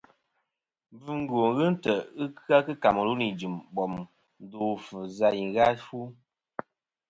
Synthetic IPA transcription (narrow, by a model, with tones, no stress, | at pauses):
bɨ˦ŋ̩˦ɡo˨ŋɣɨ˦n̩˦tə˨ɨ˦ka˦kɨ˦ka˨mə˨lu˦ni˨d͡ʒi˨mbɔ˨m | n˦do˨fɨ˨za˦ji˨ɣa˦fu˦